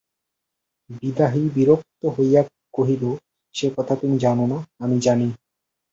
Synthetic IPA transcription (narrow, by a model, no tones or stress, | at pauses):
bid̪aɦibiɾok̚t̪oɦoja | koɦib̪o | ʃekɔt̪ʰat̪umid͡ʑanonaamid͡ʑani